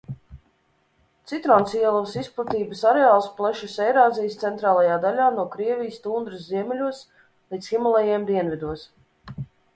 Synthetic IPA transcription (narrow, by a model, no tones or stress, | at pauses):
t̪sit̪ɾansiɛlˠɔvsisplˠat̪iːbəsaɾeaːlˠsplˠɛʃisɛjɾaːzijst̪sɛnt̪ɾaːlˠajaːd̪alʲaːnuɔkɾiɛvʲijst̪uːnd̪ɾɨsziɛmʲɛlʲuɔs | lˠiːd̪sximalˠɛjiɛmd̪iɛnvʲid̪uɔs